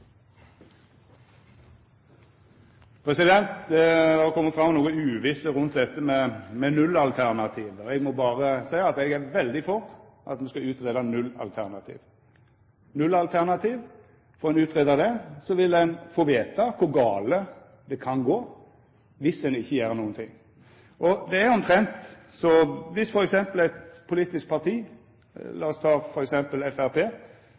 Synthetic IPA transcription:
pʰʁɛsɪd̪ɛnt̪d̪ɛd̪ɛkʰɔmːəfɾɑmɔnuːəʉːʋɪsəɾʉnt̪̚d̪ɛt̪ːəmɛmɛnʉlːɑlt̪ʰæʁnɑt̪ʰiːʋəɛɡmɔbɑːʁəsæɪɑɑt̪ɛɡæɾʋɛld̪ɪfɔʁ | ʔɑ̰t̪mɛnskɑʉːt̪ʁeːd̪ɑnʉlːɑ̰lt̪ʰæʁnɑt̪ʰḭːʋ | nʉlːɑlt̪ʰæʁnɑt̪ʰiːʋ | fɔɾɛnʉːt̪ʁeːd̪əd̪ɛsɔʋɪldɛnfoːʋeːt̪ɑkʰʊɾɡɑːlə | d̪ɛkʰɑnɡoː | ʋɪsɛnɪçːəjæːɾənuːənt̪ʰɪŋ | ʔɔd̪ɛæɾɔmt̪ʰɾɛnt̪ | sɔʋɪsfɔɾɛksɛmpəl̩ɛt̪pʰʊliːt̪ɪsk̚pʰɑt̪ʰiː | lɑːɔst̪ʰɑːfɔɾɛksɛmpəlɛfæɾpʰeː

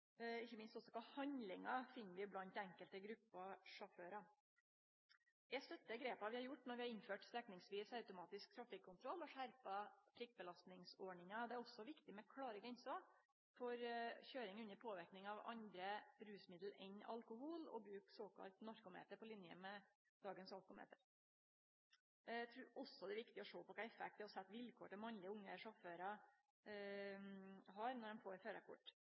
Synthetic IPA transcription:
ɪçːəmɪnst̪ɔsːɔkɑhɑnlɪŋɑfɪnːəʋɪblɑnt̪æŋkəlt̪əɡɾʉpːɑʂʊføːɾɑ | jæɪst̪œt̪ːəɡɾeːpɑʋɪhɑɾjʊʈːnɔɾʋɪhɑɾɪnføːʈst̪ɛknɪŋsʋiːsɑʉt̪ʊmɑːt̪ɪsk̚t̪ʰɾɑfɪkʰːʊnt̪ʰɾɔlːɔʂæɾpɑfɾɪk̚bəlɑst̪nɪŋsɔɳɪŋɑd̪ɛæɾɔsːɔʋɪkt̪ɪmɛkʰɽɑːɾəɡɾɛnsɔ | fɔɾçøːɾɪŋʉnːəɾpʰoːʋɪɾknɪŋɑʋɑ̰nd̪ɾəbɾʉːsmɪd̪l̩ɛnɑ̰lkʊhulɔ̰bɾʉːksoːkʰɑ̰lt̪nɑɾkʊmḛːt̪əɾpɔlɪnjə̰mɛ | d̪ɑːɡənsɑlkʊmḛːt̪əɾ | æɪt̪ʰɾuːɾʔɔsːɔd̪ɛʋɪkt̪ɪɔʂoːpɔkʰɑɪfæ̰k̚t̪ɛɔsɛt̪ːʋɪlkʰo̰ːʈɛmɑnlɪəʊŋːəʂɔføːɾɑ | ɦɑɾnɔɖɛnfoːɾføːɾɑkʰʊ̰ʈː

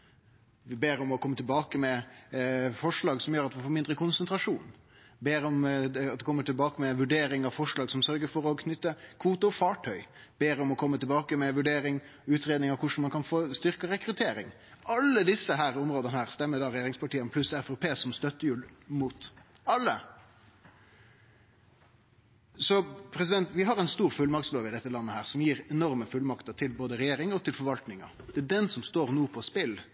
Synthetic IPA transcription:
ʋɪbeːɾɔmɔkʰɔmːət̪ʰɪlbɑːkəmɛ | fɔʂɭɑːɡsɔmjøːɾɑt̪ʋɪfoːɾmɪnd̪ɾəkʰʊnsənt̪ɾɑʂuːn | beːɾɔmɑt̪̚d̪ɛkʰɔmːəʈɪlbɑːkəmɛʋʉɖeːɾɪŋɑʋfɔʂɭɑːɡsɔmsœɾɡəfɔɾɔkʰnʏt̪ːəkʰʋuːt̪əɔfɑːʈʰœʏb̥eːɾɔmɔkʰɔmːət̪ɪlbɑːkəmɛʋʉɖeːɾɪŋ | ʉːt̪ɾeːd̪nɪŋɑkʰʊʂn̩mɑnkʰɑnfoːst̪ʏɾkəɾɛkɾʉt̪ʰeːɾɪ̰ŋ | ʔɑlːəd̪ɪsəɦæːɾʊmɾoːd̪ənəhæːʁst̪ɛmːəd̪ɑɾɛjeːɾɪŋspɑʈiːənpʰlʉsæfɔpʰeːsɔmst̪œt̪ːəjʉːlmuːt̪ | ɑlːə | sɔpʰɾɛs̬ɪd̪ɛnt̪ʋɪɦɑɾɛnst̪uːɾfʉlmɑkt̪sloːʋɪd̪ɛt̪ːəlɑnːəhæːʁsɔmjiːɾɛnɔʁməfʉlmɑkt̪ət̪ʰɪlboːd̪əɾɛjeːɾɪŋɔt̪ʰɪlfɔɾʋɑlt̪nɪŋə̰ɾd̪ɛæɖɛnsɔmst̪oːɾnuːpʰɔspɪl

